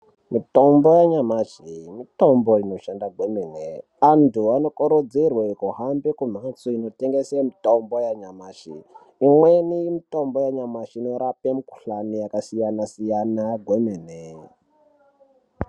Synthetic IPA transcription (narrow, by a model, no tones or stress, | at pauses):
mito̞mbojaɲamat͡ʃimitomboino̞ʃandaɡʱwemeːne | antʰuano̞koɾod͡zirwekuɦambekum̤at͡suino̞teŋɡesemitombojaɲamaːt͡ʃḭ | imwenijimito̞mbojaɲamaʃiinoɾapemiku̥ɬanijakasijanasijanaɡʱwemene